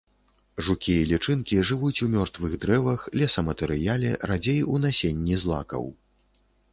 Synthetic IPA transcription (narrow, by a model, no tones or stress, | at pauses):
ʐukʲijɐlʲit͡ʂɨnkʲiʐɨvut͡sʲumʲɔrt̪vɨɣd̪ɾɛvɐxlʲɛsɐmɐt̪ɛɾɨjalʲɛ̰rad͡zʲejunasʲenʲːizlˠa̰kɐ̰w